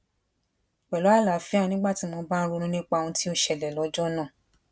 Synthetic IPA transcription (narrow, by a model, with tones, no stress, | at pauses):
k͡pɛ˨lo˨˦a˦˨la˨fi˨˦a˦˧nĩ˦ɡ͡ba˦˨ti˨˦mɔ̃˧ba˦n̩˦˧ɾu˧nũ˦nĩ˦k͡pa˧ũ˧ti˦o˦ʃɛ˨lɛ˨lɔ˨˦d͡ʒɔ˦nãː˦˨